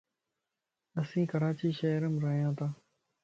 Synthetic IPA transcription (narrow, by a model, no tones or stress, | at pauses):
əsĩːkəɾaːt͡ʃiːʃəːɾəmɾəɦijãːt̪ʰãː